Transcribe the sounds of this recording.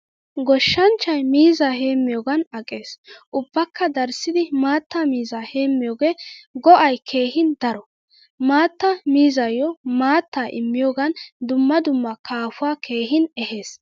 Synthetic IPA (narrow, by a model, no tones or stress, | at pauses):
ɡɔʃːɐnt͡ʃːɐjmiːzaːhe̞ːmːɪjoːɡɐnɐkʼːe̞ːsʔʊbːɐkːɐd̪ɐɾsɪd̪ɪmaːt̪ːaːmiːzaːheːmːɪjoːɡeːɡɔʔɐjkʰe̞ːhɪnd̪ɐɾɔ | maːt̪ːɐmiːzɐjːɔmaːt̪ːaːʔɪ̰mːɪjoːɡɐnd̪ʊmːɐd̪ʊmːɐkʰaːfʊaːkʰe̞ːɦɪnɛhe̞ːs